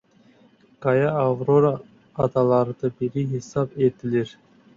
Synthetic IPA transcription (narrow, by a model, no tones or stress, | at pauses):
kɑjɑɑvɾoɾ | ɑt̪ɑlˠɑɾd̪əbiɾiɦesɑpet̪ɪleɾ